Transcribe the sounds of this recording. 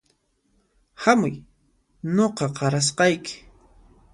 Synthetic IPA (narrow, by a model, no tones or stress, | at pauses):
hamʊ̰j | noqɑqɑɾas̬qɑjkɪ̥